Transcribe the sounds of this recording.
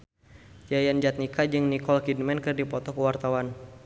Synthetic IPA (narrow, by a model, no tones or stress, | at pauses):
d͡ʒajand͡ʒat̪̚nikad͡ʒɨŋnikɔlkidmɛnkɨrdipɔt̪ɔkuwart̪awan